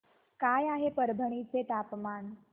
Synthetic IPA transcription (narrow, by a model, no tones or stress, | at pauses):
kajaɦepəɾbʱəɳ̃it͡set̪apmaːn